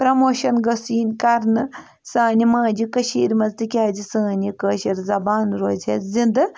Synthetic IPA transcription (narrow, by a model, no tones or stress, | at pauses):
pɾɐmoːʃɐnɡɐsiːnʲkɐɾnɨ | saːnimaːd͡ʒikɐʃḭːɾmɐzt̪ɨkʲaːd͡zisɐːnikəːʃiɾzɐbaːnɾoːd͡zʲet͡szind̪ɨ